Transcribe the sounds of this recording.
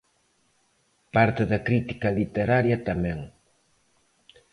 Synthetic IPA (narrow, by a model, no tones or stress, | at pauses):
paɾt̪eðɐkɾit̪i̥kɐlit̪eɾaɾjat̪amɛ̃ŋ